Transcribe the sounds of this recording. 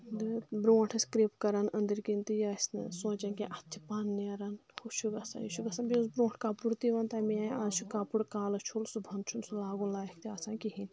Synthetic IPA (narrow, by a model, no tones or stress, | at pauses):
d̪bɾõːʈʰɨskɾiːpkɐɾɐnɐ̃nd̪iɾkint̪ijasʲnɨsõːt͡ʃɐnkẽʔɐt̪ʰi̥paːnːɐɾɐnkʰubt͡ʃʰuɡɐsa̰jḭt͡ʃʰuɡɐsɐnbiusbɾõːʈʰkaːpuɽt̪iʋɐnt̪aːmiãːaːzt͡ʃʰukaːpuɽkaːlɐt͡ʃʰulsubʱɐnd̪t͡ʃʰunsulaːɡunlaːjkʰt̪iaːsãːkiɦin